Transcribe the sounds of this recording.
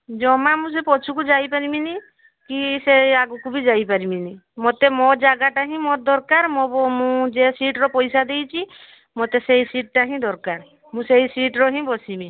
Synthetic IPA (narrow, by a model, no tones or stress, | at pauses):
d͡ʒɔmamũs̬epɔt͡ʃʰukud͡ʒajpaɾimini | kiseaɡukubid͡ʒajpaɾiminimot̪emɔd͡ʒaɡaʈaɦĩmɔɾd̪ɔɾkaɾmɔɔmũd͡ʒesiʈɾɔpɔjsad̪ejt͡ʃʰi | mot̪esejsiʈ̚ʈaɦĩd̪ɔɾkaɾ | mũseisiʈɾɔɦĩbɔsibĩ